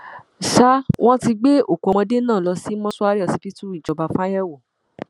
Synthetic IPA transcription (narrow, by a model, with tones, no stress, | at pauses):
ʃa˦wʔɔ̃˦ti˧ɡ͡be˦o˦˨ku˨˧ɔ̃˧de˦nãː˦˨lɔ˧si˦mɔ̃˦su˦a˦ɾi˦ɔ˧˨si˧ti˦tu˦i˦˨d͡ʒɔ˨˧ba˧fã˦jɛ˦wo˨